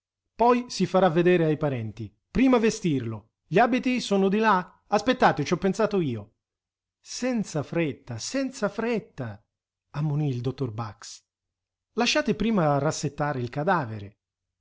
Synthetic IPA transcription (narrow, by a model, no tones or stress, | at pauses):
pɔjsifaɾavːed̪ɛːɾeajpaɾɛnt̪i | pɾiːmavest̪irlo | ʎiaːbit̪isɔːnʊd̪ila | aspet̪ːaːt̪ɪt͡ʃɔpːensaːt̪ʊiːo | sɛnt̪safɾɛt̪ːasɛnt̪safɾɛt̪ːa | amːʊniːld̪ot̪ːorbaks | laʃːaːt̪ɪpɾiːmarasːet̪ːaːɾeilkad̪aːvḛɾḛ